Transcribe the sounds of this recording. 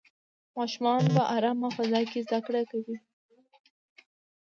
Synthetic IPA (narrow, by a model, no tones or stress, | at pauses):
mɑʃʊmɑnpəʔaɾɑmafazɑjkezd̪akɽakawi